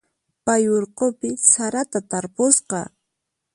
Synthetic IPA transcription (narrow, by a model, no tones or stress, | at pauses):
pajoɾqopɪsaɾat̪at̪aɾpʊsqɑ